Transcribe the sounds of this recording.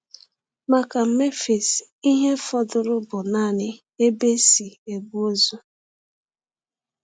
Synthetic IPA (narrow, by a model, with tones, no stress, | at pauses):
ma˨ka˨m̩˨me˦fe˨si˦ɦe˦fɔ˨dʊ˨ɾʊ˦bʊ˨na˦˨nɪ˦ | e˦be˦si˨e˨bu˦o˦zu˦